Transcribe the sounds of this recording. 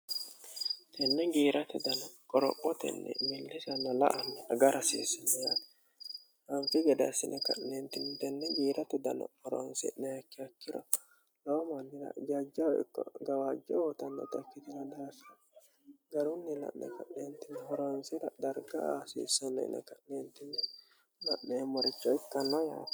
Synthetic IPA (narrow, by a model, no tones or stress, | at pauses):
t̪ɛnːɛɡiːɾʔɐt̪ʊd̪ɐnɐkʼɔɾɔ̰pʼːɔt̪ɛ̰nːɛ̰mɪlːɪsɐnːɐlɐ̰ʔɐnːɛɐɡɐɾʔɐsḛːsɪnːɛjat̪ | ʔɐnfɪɡɛd̪ɐ̰sɪnːɛkɐ̰nːeːnt̪ɪnt̪ɛnːɛɡiːɾʔɐt̪ʊd̪ɐnɐ̰hɔɾɔ̰nsɛ̰nːɛhɐkːɪɐkːɪɾɐ̰ | lɔmanːɪɾɐ̰d͡ʒad͡ʒaɪ̰kːɔ̰ɡɐwaːd͡ʒːɛwɔt̪ɐnːɔ̰t̪ɐkːɪt̪ɪlɐd̪asɐ | ɡɐɾʊnːɪlɐ̰ʔnɛ̰kɐʔneːnt̪ɪnːɛhɔɾonsɪɾɐd̪ɐɾɡɐasḭːsɔnɛɪ̰nɛ̰kɐʔneːnt̪ːɪnːɛ | lɐʔnɛːmːɔɾɪt͡ʃːɔɪkːɐnɔja̰ːd̪